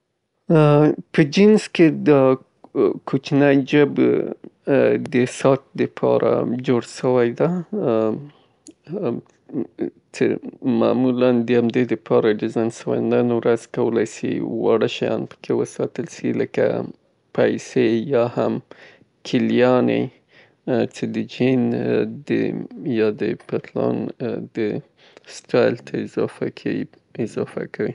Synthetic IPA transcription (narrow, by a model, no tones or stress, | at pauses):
pəd͡ʒɪnsked̪ə | kʰot͡ʃnajd͡ʒəb | d̪əsɑt̪̚d̪əpʰɑ̰ɾa̰d͡ʒoɽʃəwajd̪a | t͡ʃḛmɑ̰muland̪əamd̪ed̪əpʰɑɾad̪əzɑnʃəwa̰nanwɾaz̥kawəlajsḭwɑɽəʃajɑnpə̥kʰewəsɑt̪əlsiləka̰ | pajsejɑham | kʰɪlijɑnḛ | t͡ʃed̪əd͡ʒind̪ə̰jɑd̪əpat̪lɑ̰nd̪ə | sʈɑjlt̪ʰaɪzɑfakʰai | ɪzɑfakʰawi